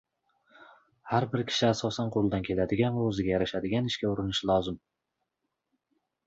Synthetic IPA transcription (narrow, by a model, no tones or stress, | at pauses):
haɾbɪɾkʲʰɪ̥ʃɪasɒsanqʰolˠd̪ankʲʰe̞lad̪ɪɡʲanvaɵzɪɡʲajaɾaʃad̪ɪɡʲanɪʃkʲaʊɾɪnɪʃlˠɒzɪm